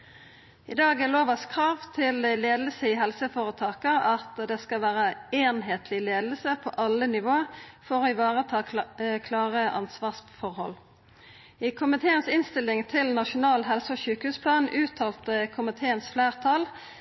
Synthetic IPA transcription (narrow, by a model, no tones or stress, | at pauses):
ɪ̰d̪ɑːɡæloːʋɑskʰʁɑːʋt̪ʰɪlleːd̪l̩səɪɦɛlsəfoːʁət̪ʰɑːkəʁɑt̪d̪ɛskɑʋæːʁəeːnɦeːt̪ʰlɪleːd̪əl̩səpʰɔ̰ʔɑlənɪʋoːəfɔʁoːɪʋɑːʁət̪ʰɑːkʰlɑːʁəʔɑ̰nsʋɑːʁsfɔʁhɔ̰lː | ɪkʰʊmɪt̪ʰeːənsɪnst̪ɪlːɪŋt̪ʰɪlnɑʃʊnɑːlɦɛlsəɔçʉːkhʉːspʰlɑːnʉːt̪ʰɑːlt̪əkʰʊmɪt̪ʰeːənsflæːʁt̪ʰɑl